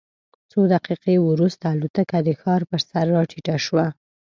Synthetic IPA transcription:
t͡sod̪aqiqewɾust̪aːlut̪akad̪əxɑɾpəɾsaɾːɑʈʰiʈaʃwa

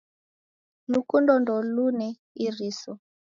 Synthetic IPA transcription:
lukundɔndɔlunɛ | iɾisɔ

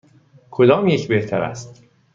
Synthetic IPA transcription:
kʰod̪ɒːmjecʰbe̞ht̪ʰæɾæ̰st̪

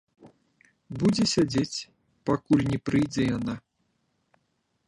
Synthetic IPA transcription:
bud͡zʲɛsʲad͡zʲet͡sʲ | pakulʲnʲɛpɾɨjd͡zʲɛjana

